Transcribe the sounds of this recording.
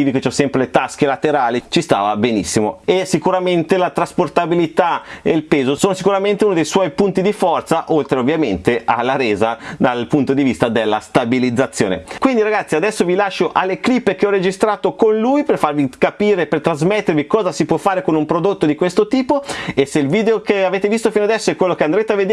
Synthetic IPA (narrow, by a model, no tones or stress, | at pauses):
iːviket͡ʃɔsɛmpɾelet̪ask̟elat̪eɾaːlit͡ʃist̪a̰ːvabenḭsːimoesikuɾament̪elat̪ɾasport̪abilit̪aeilpeːzosoːnosikuɾament̪euːnod̪ejswɔjpunt̪id̪ifɔrt̪saʔolt̪ɾeovːjament̪eʔa̰lːaɾeːzad̪alpunt̪od̪ivist̪ad̪elːast̪abilid̪zːat̪sːjoːnḛkwind̪iɾaɡat̪sːiad̪ɛsːovilaʃːoʔalːeklipːekeɔɾed͡ʒist̪ɾaːt̪okonlujperfarvikapiːɾepert̪ɾazmet̪ːeɾvikɔːzasipwɔfːaːɾekonumpɾod̪ot̪ːod̪ikwest̪ot̪iːpoeselviːd̪eokeaveːt̪evist̪ofinoad̪ɛsːoɛkwelːokeand̪ɾeːt̪eavːed̪